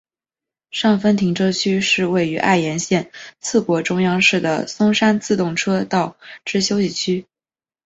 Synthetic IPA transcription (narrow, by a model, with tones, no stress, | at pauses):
ʂɑ˥˩ŋfə˥nt̪ʰi˧˥ŋʈ͡ʂʰɤ˥t͡ɕʰy˥ʂɻ̩˥˧we˥˩ɪy˧˥ʔa̰˥˩ɪjɛ˧˥nɕjɛ˥˧nt͡sʰɹ̩˥˩kwɔ˧˥ʈ͡ʂʊ˥ŋjɑ˥ŋʂɻ̩˥˩d̪ə̰˩sʊ˥ŋʂa˥nt͡sɹ̩˥˧t̪ʊ˥˩ŋʈ͡ʂʰɤ˥t̪ɑ˥˩ʊʈ͡ʂɻ̩˥ɕjo˥ʊɕi˥˩t͡ɕʰy˥